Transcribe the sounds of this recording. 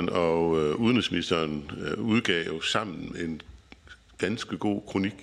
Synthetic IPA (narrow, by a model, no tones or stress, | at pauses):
nɒuðˠnʁisminisd̥ɐːnuð̞ˠɡ̥ɛʊjo̝sɑ̈m̰n̩meen | ɡ̥ænsɡ̥əɡ̥o̝̰ːkʰʁo̝niɡ̥